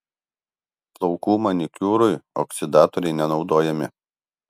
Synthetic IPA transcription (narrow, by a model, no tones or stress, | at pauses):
plˠɔʊkuːmɐnʲɪkʲuːɾʊjɔ̰ksʲɪd̪ɑːt̪ɔɾʲɛɪnʲɛnɒʊd̪oːjɛmʲɪ̰